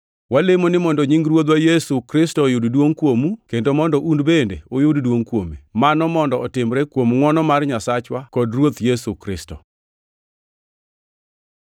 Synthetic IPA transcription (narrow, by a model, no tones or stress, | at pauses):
walemonɪmɔndɔɲiŋɡɾwot̪wajɛsukɾɪstɔjʊddwoŋkwomukendomɔndɔʔundbendḛojʊddwoŋkwomḛmanɔmɔndɔɔtɪmɾekwomŋɔnɔmarɲasat͡ʃwakɔdrwot̪jɛsukɾɪstɔ